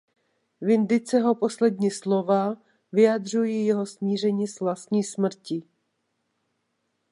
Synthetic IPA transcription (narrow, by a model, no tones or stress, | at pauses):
vɪnd̪ɪt͡sɛɦo̞po̞slɛdɲiːslo̞va | vɪjad̪r̝ujijɛɦo̞smiːr̝ɛɲiːsvlast̪ɲiːsmr̩cɪ